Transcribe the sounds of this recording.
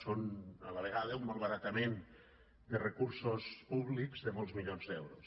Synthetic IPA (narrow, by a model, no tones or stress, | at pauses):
sonə̰ləβəɣaðəumbolˠβəɾat̪əmen | d̪ərəkuɾsospuβlikzðəmɔlˠzmiʎonzd̪ɛwɾos